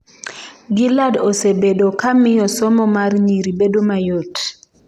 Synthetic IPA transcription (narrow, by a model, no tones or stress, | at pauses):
ɡiladosebedokamɪjɔsɔmɔmarɲiɾibedomajot